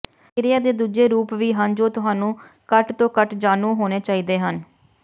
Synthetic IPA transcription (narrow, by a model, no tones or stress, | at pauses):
ɾɪjaːd̪eːd̪uːd͡ʒeːɾuːpʋiːɦənd͡ʒoːt̪ʊɦaːnũː | kəʈt̪õːkəʈd͡ʒaːnũːɦoːneːt͡ʃaːiːd̪eːɦən